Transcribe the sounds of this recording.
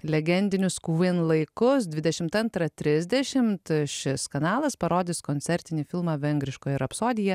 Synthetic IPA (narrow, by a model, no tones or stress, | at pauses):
lʲɛɡʲɛnʲd̪ʲɪnʲʊskuʋʲɪnlˠɐɪkʊsd̪ʲʋʲɪd̪ʲɛʃʲɪmt̪ɐnt̪ɾɐt̪ʲɾʲɪzʲd̪ʲɛʃʲɪmt̪ʃʲɪskɐnɑːlˠɐspɐɾoːd̪ʲɪskonʲtsʲɛɾʲt̪ʲɪnʲɪfʲɪlˠmɑːʋʲɛŋɡɾʲɪʃkoːjɛɪɾɐpsoːd̪ʲɪjɛ